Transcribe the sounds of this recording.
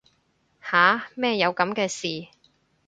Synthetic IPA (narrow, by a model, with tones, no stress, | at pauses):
haː˨˥mɛː˥˧jɐ˨˧wkɐ˨˧˥mkɛː˧siː˨